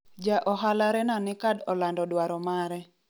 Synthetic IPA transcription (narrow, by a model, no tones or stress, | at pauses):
d͡ʒaʔɔɦalaɾɛnanɪkadɔlandɔdwaɾɔmaɾɛ